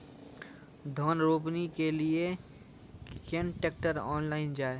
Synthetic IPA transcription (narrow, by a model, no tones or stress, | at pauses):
d̪ʱɔːnɾoːpnikelie | kẽnʈeːk̚ʈəɾɔ̰ːnlaːɪnd͡ʒaːe